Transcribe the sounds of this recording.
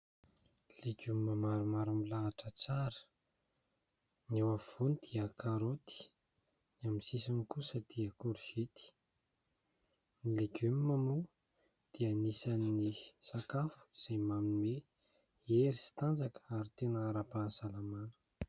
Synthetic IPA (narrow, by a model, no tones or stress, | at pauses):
leɡumimamaɾumaɾamilaaʈ͡ʂət͡saɾə̥ | newav̥onid̪̥iakaɾot̪i̥ | niamisisanikusəd̪̥iəkuɾufet̪i̥ | nileɡumiːamu | d̪̥ianisaninisakafu̥z̥ejmaminime | eɾisi̥t̪and͡zakə̥aɾit̪enəːɾapansalamanu̥